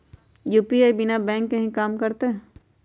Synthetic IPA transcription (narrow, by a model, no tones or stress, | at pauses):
juːpiaːbɪnabɛ̃ːŋkːɐɦĩkaːmkɐɾt̪eɦɛ